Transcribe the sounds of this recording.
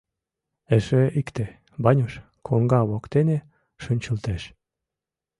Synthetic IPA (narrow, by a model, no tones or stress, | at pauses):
eʃeikt̪e | bɑnʲoʃ | kʰoŋɡɑβokt̪ene | ʃə̆nʲt͡ɕəlt̪eʃ